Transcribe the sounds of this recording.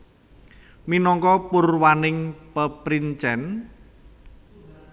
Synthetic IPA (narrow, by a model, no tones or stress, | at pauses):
minɔŋkɔpurwanɪŋpəpɾint͡ʃɛn